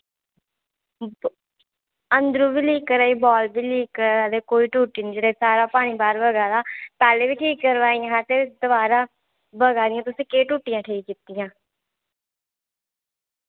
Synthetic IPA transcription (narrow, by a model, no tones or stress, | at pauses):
ənd̪ɾũːbiːliːkːəɾaːiːbɔːlbiːliːkːəɾaːd̪eːkoːiːʈuːʈiːnĩd͡ʒeɽaiːsaːɾaːpaːɽ̃iːbaːɾbəɡaːd̪aːpɛːleːʋiːʈʰiːkːəɾʋaːijãɦãːt̪eːd̪əbaːɾãː | bəɡaːd̪ɪjãːt̪ʊsĩːkeːʈuːʈɪjãːʈʰeːkkɪt̪ːɪjãː